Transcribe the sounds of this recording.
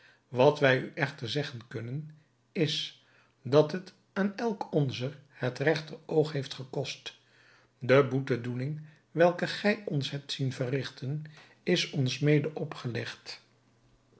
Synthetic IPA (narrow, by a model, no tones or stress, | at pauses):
ʋɑtʋɛjyʔɛχtəɹzɛχənkɵnən | ɪs | dɑtɦət | aːnɛlˠkʰɔnzəɹhətrɛχtərowχɦejftχəkɔst | dəbutədulɪŋ | ʋɛlˠkəχɛjɔnsɦɛp̚tsinvərɪχtʰən | ɪsɔnsmejdəʔɔpχəlɛχt